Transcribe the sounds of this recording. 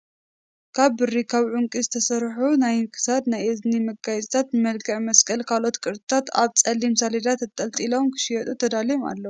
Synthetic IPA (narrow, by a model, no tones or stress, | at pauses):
kʰaβːɨrikʰaβʕuŋkʼizɨt̪ʰɐsɐɾħunajnkʰɨ̥sad̪najʔɨznimɨɡajzʼt̪ʰat̪bmɐlɡɐʕmɐskʼɐlkʰalo̞t̪kʼɨɾd̪ɨt̪ʰat̪aβt͡sʼɐlimsalid̪at̪ɨt̪ʼːɐlt̪ʼilo̞mkʰɨ̥ʃijɐt̪ʼut̪ʰɐd̪aljoma̰lːɐwu